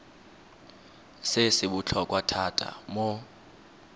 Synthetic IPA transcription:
sesiɓut͡ɬʰɔk̬ʼwatʰatʰʼa̰mɔ

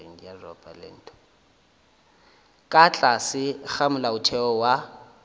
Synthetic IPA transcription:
ŋ̩jarɔ̰pʼa̰lɪ̰n̩ːtʼɔ̥ | kʼat͡ɬʼasɪk͡xamʊlaʊtʰɛɔwa

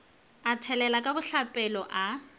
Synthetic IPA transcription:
atʰɛlɛlakʼabʊɬapʼɛlɔʔa

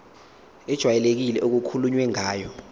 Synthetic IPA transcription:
ɛd̥ʒ̥ʱwajɛlek̬ilɛʔok̬ukʰuluɲwɛŋaːjɔ

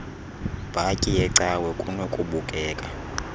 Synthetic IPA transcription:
b̥ʱacʼijɛǀawɛkʼunokʼuɓukʼɛːkʼa

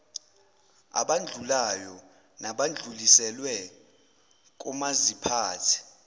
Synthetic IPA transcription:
a̰ɓand͡ɮʱulajɔ | naɓand͡ɮʱulisɛlwɛ | k̬ʼumazipʰaːtʰi̥

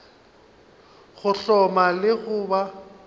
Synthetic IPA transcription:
ɣʊɬɔmalɪɣʊːba

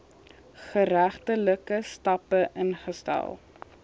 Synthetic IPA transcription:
χəɾæχtələkəstɐpəʔənχəstæ̰lˠ

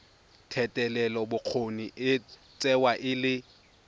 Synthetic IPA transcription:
tʰɛtʼɛlɛlɔbʊq͡χʰoniʔɪ | t͡sʼɛwaʔɪlɪ

